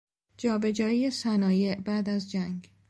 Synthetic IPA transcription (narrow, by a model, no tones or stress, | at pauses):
d͡ʒɒːbe̞d͡ʒɒːijesænɒːjeʔbæːd̪æzd͡ʒæŋɡ